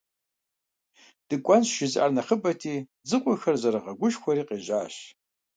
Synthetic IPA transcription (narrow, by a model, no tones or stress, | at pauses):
d̥ɨkʷʼɔnɕʃɪzʔa̰ːrnɐχəbɐtʰiː | d͡zɨqʷʼʊxɐrzɐɾɐʁɐɡʷʊʃxʷɔɾiːqeːʑaːɕ